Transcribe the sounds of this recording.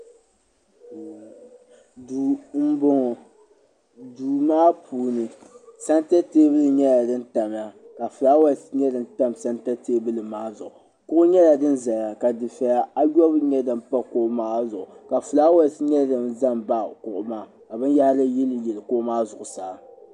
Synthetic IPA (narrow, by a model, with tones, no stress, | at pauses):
du˨m̩˦bo˦ŋɔ˨ | duː˨maː˦pʰuː˨nɨ˨sa˦nta˦teː˦bɨ˦lɨ˨ɲɛ˦la˨dɨ˦n̩˦ta˨m˨ja˦ka˨fu˨la˦wɛ˦˨˦sɲɛ˦dɨ˦˨n˦ta˦msa˦nta˦teː˦bɨ˦lɨ˨maː˦zʊ˨ʔʊ˨ | kʊ˦ʔʊ˦ɲɛ˦la˨dɨ˦nza˨ja˨ka˨dɨ˨fɛ˨a˨a˦jɔ˦bɲɛ˦dɨ˨m˦pa˦ko˦maː˦zʊ˨ʊ˨ka˨fɨ˨laː˦wa˦sɲɛ˦˨dɨ˨nza˦mba˦˨kʊ˨ʔʊ˦maː˦ | ka˨bɨ˦n˦ja˦hla˦jɛ˦lɨ˨jɛ˨lɨ˨kʊ˦maː˦zʊ˨ʔʊ˨saː˨˦